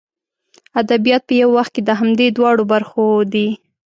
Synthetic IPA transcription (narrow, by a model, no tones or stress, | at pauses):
ad̪abijɑt̪̚pəjawːaxt̪̚ked̪əɦamd̪ed̪wɑɽobaɾxod̪i